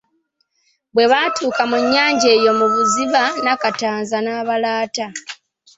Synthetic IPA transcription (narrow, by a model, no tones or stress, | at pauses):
βwe̞βatuːkamuɲːaːɲɟe̞ːjo̞muβuziβanakataːnzanaːβalaːta